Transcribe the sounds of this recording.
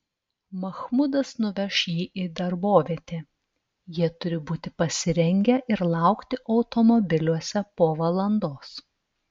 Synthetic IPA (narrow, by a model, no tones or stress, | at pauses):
mɐxmʊd̪ɐsnʊʋʲɛʃjiːʔiːd̪ɐɾboːʋʲiɛt̪ʲeː | jiɛt̪ʊɾʲɪbuːt̪ʲɪpɐsʲɪɾʲɛŋʲɡʲɛʔɪɾlˠɑˑʊkt̪ʲɪʔɒʊt̪ɔmɔbʲɪlʲuɔsʲɛpoːʋɐlˠɐnd̪oːs